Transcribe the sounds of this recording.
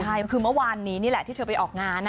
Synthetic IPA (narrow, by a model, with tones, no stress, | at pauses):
t͡ɕʰa˥˩jkʰɯː˧m˦˥˩waː˧nːiː˦˥niː˥˩lɛ˨˩t̪ʰiː˥˩t̪ʰːpa˧jʔɔː˨˩k̚ŋaː˧nː˦˧